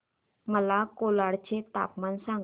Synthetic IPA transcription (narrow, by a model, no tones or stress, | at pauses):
məlakolaɽt͡ɕet̪a̰pmansãŋɡ